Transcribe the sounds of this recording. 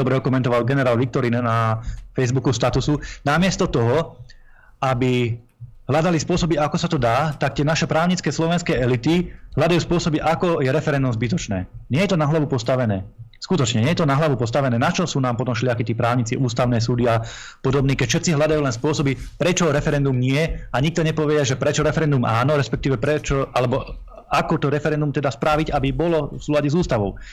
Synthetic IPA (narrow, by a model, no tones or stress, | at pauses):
ɔbɾɛɔkɔmɛnt̪ɔʋalɡɛnɛɾaːlʋik̚t̪ɔɾiːnnafɛjzbukust̪at̪usunamɪɛst̪ɔt̪ɔɦɔ | abi | ɦlad̪alispʊɔsɔbiakɔsat̪ɔd̪aːt̪ak̚t̪ɪɛnaʃɛpɾaːʊɲit͡skɛːslɔʋɛnskɛːɛlit̪iɦlʎad̪ajuːspʊɔsɔbiʔakɔjɛɾɛfɛɾɛnd̪umzbit̪ɔt͡ʃnɛ̰ːɲɪɛjɛt̪ɔnaɦlaʋupɔst̪aʋɛnɛ̰ːskut̪ɔt͡ʃɲɛɲɪɛjɛt̪ɔnaɦlaʋupɔst̪aʋɛnɛːnat͡ʃɔsuːnaːmpɔt̪ɔmʃlɪakit̪iːpɾaːʊɲit͡siʔuːst̪aʊnɛːs̬uːd̪ia | pɔd̪ɔbniːkɛcfʃɛt̪t͡siɦlad̪ajuːlɛnspʊɔsɔbipɾɛt͡ʃɔɾɛfɛɾɛnd̪umɲɪɛaɲik̚t̪ɔɲɛpɔʋɛɛʒɛpɾɛt͡ʃɔɾɛfɛɾɛnd̪umaːnɔɾɛspɛk̚t̪iːʋɛpɾɛt͡ʃɔalɛbɔ | akɔt̪ɔɾɛfɛɾɛnd̪umt̪ɛd̪aspɾaʋiɟabibɔlɔfsuːlaɟɛzuːst̪aʋɔʊ